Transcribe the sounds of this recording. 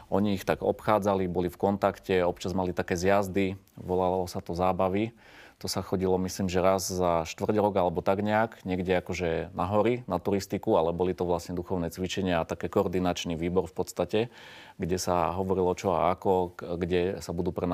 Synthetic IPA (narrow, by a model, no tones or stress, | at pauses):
ʔɔɲiːxt̪aɡɔpxaːd͡zalibɔlifkɔnt̪akcɛɔpt͡ʃazmalit̪akɛːzjazd̪i | ʋɔlalɔsat̪ɔzaːbaʋi | t̪ɔsaxɔɟilɔmisliːmʒɛɾazzaʃt̪ʋr̩ɟɾɔɡalɛbɔt̪aɡɲɛaɡɲɪɛɡɟɛakɔʒɛnʔaɦɔɾinat̪uɾist̪ikualɛbɔlit̪ɔʋlasɲɛd̪uxɔʊnɛːt͡sʋit͡ʃɛɲɪaːt̪akɛːkɔːɾd̪inat͡ʃniʋiːbɔɾfpɔt̪st̪acɛ | ɡɟɛsaɦɔʋɔɾilɔt͡ʃɔa̰akɔɡɟɛsabud̪uːpɾɛ